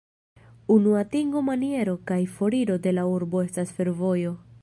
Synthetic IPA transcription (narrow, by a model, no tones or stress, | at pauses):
unuatiŋɡo̞manie̞ɾo̞kajfo̞ɾiɾo̞de̞lauɾbo̞e̞stasfe̞ɾvo̞jo̞